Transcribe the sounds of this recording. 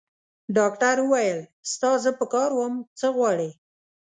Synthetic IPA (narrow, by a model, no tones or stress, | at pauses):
ɖɑkʈaɾwəwajəlst̪ɑzəpəkɑɾwəmt͡səɣwɑɽe